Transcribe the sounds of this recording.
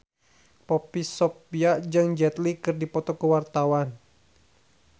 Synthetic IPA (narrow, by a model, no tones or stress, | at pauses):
pɔpisopiad͡ʒɨŋd͡ʒɛt̪likɨrdipɔt̪ɔkəwart̪awan